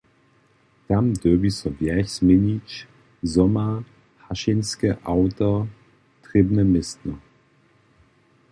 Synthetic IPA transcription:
d̥amdøbisɔvjɛçsmɪnit͡ʃ | zɔmɐ | haʃɪnskəʔaʊtɐ | tʁ̥ɪbnəmɪstnə

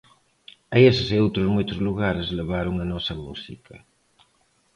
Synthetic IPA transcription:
ɐesɪseowt̪ɾʊzmojt̪ɾʊzluɣaɾezleβ̞aɾʊŋɐnɔsɐmusikʰɐ

